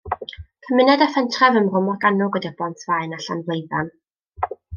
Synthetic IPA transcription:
kʰəmɪnɛdafɛntʰrɛvəmrʊmɔrɡanʊɡədabɔntʰvaɨnaɬa̰nvlˠejða̰n

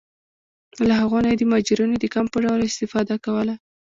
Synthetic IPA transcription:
laɦaɣonajed̪əmɑd͡ʒiɾunod̪əkampəɖawlɪst̪ɪfɑd̪akawəla

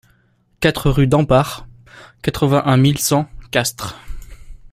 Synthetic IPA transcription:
kat̪χəʁyd̪ɑ̃paʁ | kat̪χəvɛ̃ʔɛ̃milsɑ̃kast̪χ

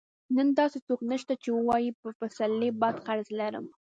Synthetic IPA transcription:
nənd̪ɑset̪oknəʃt̪at͡ʃewəwɑjipəfasalːebɑd̪xaɾzlaɾə̰m

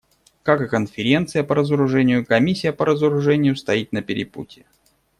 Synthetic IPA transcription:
kakɨkənfʲɪɾʲent̪sɨjəpəɾəzəɾʊʐɛnʲɪjʊkɐmʲisʲːɪjəpəɾəzəɾʊʐɛnʲɪjʊst̪ɐit̪nəpʲɪɾʲɪpṵtʲɪ

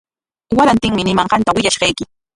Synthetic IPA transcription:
waɾant̪ɪŋmɪnɪmɑɴɢɑnt̪awɪʎaʃɢɑjkɪ

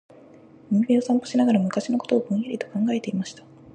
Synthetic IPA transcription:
ɯ̟mimʲio̞sãmpoɕinaɡaɾamɯ̟kaɕino̞ko̞t̪o̞ːbɯ̟̃ɰ̃jaɾʲit̪o̞kãŋɡae̞t̪e̞imaɕi̥t̪ḁ

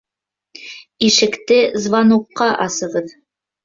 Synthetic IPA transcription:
iʃɘ̆kt̪ɘzvɑnuqːɑʔɑsɤ̆ʁɤð

